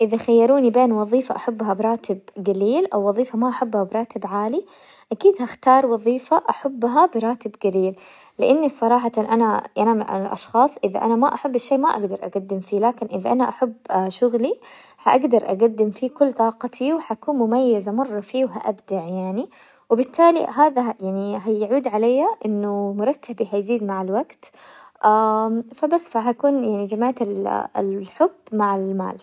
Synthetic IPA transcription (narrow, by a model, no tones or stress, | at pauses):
ʔɪðaxajːɑɾuːnibeːnwɑðˤiːfaʔaħabːɦabɾˤɑːt̪ɪbɡaliːlʔawːɑðˤiːfamaʔaħabːhabɾˤɑːt̪ɪbʕaːliʔakiːd̪haxt̪ɑːɾˤwɑðˤiːfaʔaħabːɦabɪɾˤɑːt̪ɪbɡaliːllɪʔanːisˤɑɾˤɑːħɑt̪nʔanaʔanama̰ɪlʔɑ̰ʃxɑːsˤʔɪða̰ʔanamaʔaħabːɪʃːeːmaʔa̰ɡd̪ɑɾˤʔa̰ɡad̪ːɪmfiːlaːkɪnʔɪðaʔanaʔaħabːʃʊɣlihaʔaɡd̪ɑɾˤʔa̰ɡad̪ːɪmfiːkʊlːt̪ˤɑːqɑt̪ʰiwħaʔkuːnmʊmajːazamɑrˤːɑfiːwɦaʔabd̪aʕjaʕniwɪbɪt̪ːaːlḭɦaːðajaʕniɦajaʕuːd̪ʕalajːaʔɪnːʊmʊɾˤɑt̪ːabihajziːd̪maʕalwaɡt̪ʔafabasːfaɦakuːnjaʕnid͡ʒamaʕt̪allħʊbmaʕalma̰ːl